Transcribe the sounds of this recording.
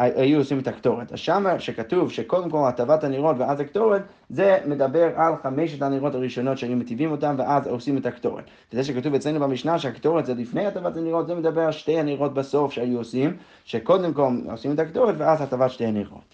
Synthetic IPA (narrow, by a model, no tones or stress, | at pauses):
aajuosimetaktoʁeta̰z̥ʃamaʃekatuvʃekodemkolatavataniʁotveazaktoʁet | zemedabeʁalχameʃetaniʁotaʁiʃonotʃeajumetivimotamveʔazosimethaktoʁḛt | vezɛʃ̬ɛkatuvɛt͡slejnubamiʃnaʃɛaktoʁetzɛlifnejatavataniʁotzɛmedabeʁalʃtejaniʁot̚basofʃeajuosim | ʃekodemkolo̰simetaktoʁetveazhatavatʃtejaniʁo̰t